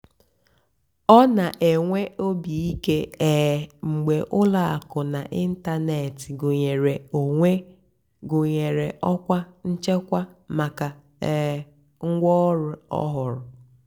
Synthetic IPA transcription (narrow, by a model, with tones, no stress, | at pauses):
ɔ˦na˨ʔe˨ŋʷe˦o˦bi˨i˦ke˦eː˨ŋ͡m̩˨ɡ͡be˨ʔʊ˦la˨a˨kʊ˨na˨ʔi˦n̩˦ta˦ne˨tɪ˨ɡʊ˨ɲe˨ɾe˨o˨ŋʷe˦ | ɡʊ˨ɲe˨ɾe˨ʔɔ˦kʷa˦n̩˦t͡ʃe˦kʷa˦ma˨ka˨ | ŋ̩˦ɡʷɔ˦ɾʊ˨ɔ̰˦ɦʊ˨ɾʊ˨